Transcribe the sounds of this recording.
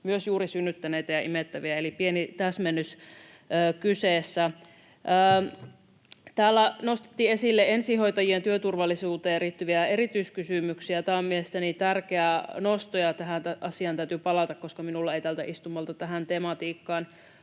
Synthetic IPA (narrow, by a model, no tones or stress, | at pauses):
myøsjuːɾisynːyt̪ːæneːt̪æjɑʔimet̪ːæʋiæelipienit̪æsmenːys | əːkyseːsːæ | ʔəː | t̪æːlːænost̪e̥t̪ːiːe̞silːee̞nsiho̞jt̪ɑjient̪yøt̪urʋɑlːˑisuːt̪eːriːt̪ːyʋiæerit̪yiskysymyksiæt̪æːmmielest̪ænit̪ærkeænost̪ojɑt̪æɦænt̪æʔɑsiɑnt̪æyt̪ypɑlɑt̪ɑkkoskɑminulːɑeit̪æːlt̪æʔist̪umːɑlt̪ɑt̪æɦænt̪emɑt̪iːkːɑːn